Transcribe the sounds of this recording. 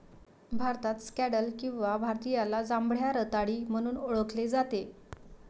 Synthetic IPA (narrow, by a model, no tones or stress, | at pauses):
bʱaɾt̪at̪skæɽəlkĩw̃ʋabʱaɾt̪ijalad͡zãmbɭ̤jaɾət̪aɽiːm̤əɽ̃uːnoɭəkled͡zat̪e